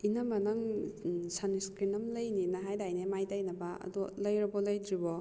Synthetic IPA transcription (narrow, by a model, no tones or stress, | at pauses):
inabanaŋsaniskɾinɐmlɐjninaɦajdajnemajdainabaɐ̰dɔlɐjɾɐbɔlɐjdɾibɔ